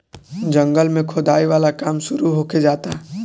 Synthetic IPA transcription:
d͡ʒɐ̃ŋɡəlmẽkʰod̪aːiʋaːlakaːmʃʊɾuɦoːked͡ʒaːt̪aɦ

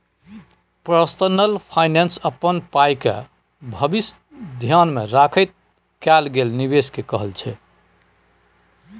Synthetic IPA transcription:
pɾəst̪ənəlpʰajnensəpːənpajkḛ | bʱəbis | d̪ʱjanmeɾakʰəjt̪̚ | kɛlɡelniβeskekəɦəlt͡ʃʰɛ

